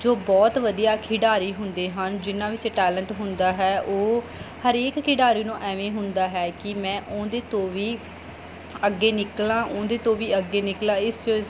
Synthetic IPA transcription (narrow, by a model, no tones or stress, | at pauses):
d͡ʒoːbɔːt̪ʋəd̪ijaːkʰɪɖaːɾiːɦʊnd̪eːɦənd͡ʒɪnãːʋɪt͡ʃʈɛːləɳʈɦʊnd̪aːɦɛːʔoː | həɾeːkkʰɪɖaːɾiːnũːʔɛːʋẽːɦʊnd̪aːɦɛːkɪmɛ̃ːʔõːd̪eːt̪õːʋiː | əɡːeːnɪklãːʔʊ̃ːd̪eːt̪õːʋiːəɡːeːnɪklãːɪst͡ʃo